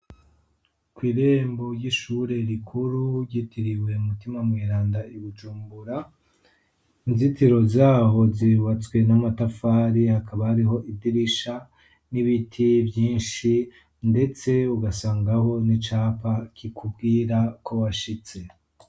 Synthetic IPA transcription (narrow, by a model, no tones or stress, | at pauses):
kwiːɾe̞ːmbo̞ɾjiʃuɾe̞ɾikʰuɾuɾɟitʰiɾiwe̞umutimamŋiːɾaːndaiβud͡ʒuːmbuɾa | inzitiɾo̞zaːɦo̞ziβat͡swe̞namatafaːɾihakaβahaɾiɦo̞ʔidiɾiʃa | niβitʰivjiːnʃi | nde̞t͡se̞uɡasaːŋɡaho̞nit͡ʃaːpakikʰubɡiːɾakʰo̞waʃit͡se̞